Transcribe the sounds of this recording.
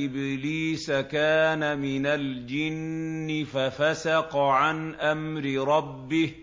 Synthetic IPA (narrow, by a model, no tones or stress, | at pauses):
ʔɪbliːsakaːnamɪnald͡ʒɪnːɪfafasɑqɑʕanʔamɾɪɾˤɑbːɪh